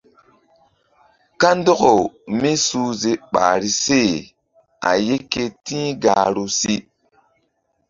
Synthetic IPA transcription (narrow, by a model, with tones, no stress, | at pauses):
ka˦n˦do˦ko˨mi˦suː˦ze˨ɓa̰ː˨ɾi˦se˦˨ | a̰˨je˦kːe˦tĩː˦ɡaː˨ɾu˦si˦